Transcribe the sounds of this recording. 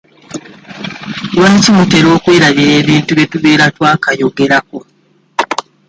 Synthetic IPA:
lwaicimute̞ɾo̞ːkweːɾaβiɾe̞ːβiːntuβje̞tuβe̞ːɾatwaːkajo̞ɡe̞ɾako̞

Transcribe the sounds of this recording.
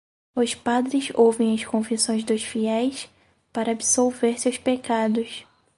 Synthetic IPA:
ʊspad̪ɾɪzowvẽj̃ɐskõvisõj̃zd̪ʊsfiɛjs | paɾɐabisowveɾsewspekad̪ʊs

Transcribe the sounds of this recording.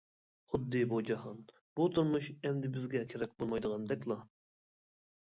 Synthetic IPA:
χʊd̪ːɨbud͡ʒɑhɑn | b̥ut̪ʰuɾmuʃɛnd̪ɪbɪzɡʲɛkʲʰeɾɛk̚ʲbolˠmɑjd̪əʁɑnd̪ɛkʲlˠɑ

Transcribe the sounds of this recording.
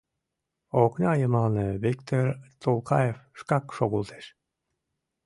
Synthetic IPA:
oknʲɑjəmɑlnɤβikt̪ort̪ʰolˠkʰɑjefʃkɑkʃoɣulˠt̪ʰe̥ʃ

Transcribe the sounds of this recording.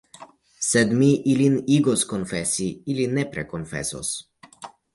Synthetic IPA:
sɛd̪miʔiliniɡoskonfɛsiilinɛpɾɛkonfɛ̰sɔ̰s

